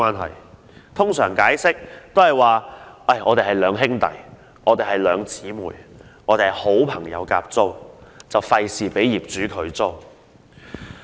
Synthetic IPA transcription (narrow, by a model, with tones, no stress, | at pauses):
aː˥nɦɐ̰˨˩j | t̪ʰʊ˥ŋsœː˨˩ŋkaː˨˥jsɪ˥k̚t̪o˥whɐ˨jwaː˨˩ʔɐ˥˩jɔː˨˧t̪e˨jɦɐ˨jlœː˨˧ŋɦɪ˥ŋt̪ɐ̰˨j | ʔɔː˨˧t̪e˨jhɐ˨˩jlœː˨˧ŋt͡siː˨˥muː˨˩jɔː˨˧t̪e˨ho˨˥wpʰɐ˨˩ŋjɐ̰˨˧wka̰ː˧p̚t͡so˥wt͡sɐ˨wfɐ˧jsiː˨˩pe˨˥jjiː˨p̚t͡ʃyː˨˥kʰɵ˨˧ɥt͡so˥w